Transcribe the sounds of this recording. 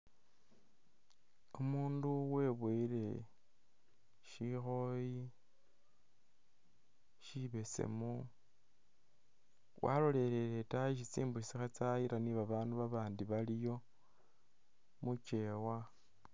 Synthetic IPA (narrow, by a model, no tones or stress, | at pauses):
omuːnduwe̞ːβwiɾe̞ | ʃixo̞ji | ʃiβe̞sḛmu | wʔa̰lo̞le̞ɾe̞ɾetajiʃ̬it͡siːmbuʃisixat͡saiɾaniβaβaːnduβaβaːndiβalijo̞ | mut͡ʃe̞wa